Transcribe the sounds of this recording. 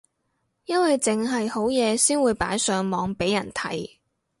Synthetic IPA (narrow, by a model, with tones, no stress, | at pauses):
jɐ˥nwɐ˨jt͡sɪ˨ŋɦɐ˨jho˨˥wjɛː˨˧siː˥nwuː˨˧jpa̰ː˨˥jsœː˨ŋmɔː˨˧ŋpe˨˥jːɐ˨˩nt̪ʰɐ˨˥j